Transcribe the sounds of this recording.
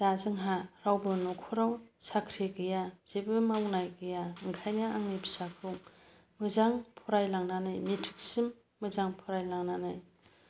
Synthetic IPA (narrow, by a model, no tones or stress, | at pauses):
d̥azɯŋɦaɾawbɯnɔkʰɔɾawsakʰɾiɡɯjaz̥ebɯmawnajɡɯjaɯŋkʰajnaaŋnibi̥sakʰɾuŋ | mɯzaŋpʰɔɾajlaŋnanajmitʰɯ̥k̚simː | ɯzaŋpʰɔɾajlaŋnanaj